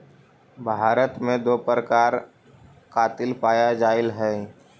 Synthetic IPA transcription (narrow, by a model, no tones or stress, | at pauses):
bʱaːɾət̪mẽd̪oːpɾəkaːɾ | kaːt̪ɪlpaːjad͡ʒaːɪlɦɛː